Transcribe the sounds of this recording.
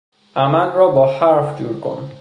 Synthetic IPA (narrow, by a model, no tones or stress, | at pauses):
amanɹɔbɔhaɹfdṵɹko̰n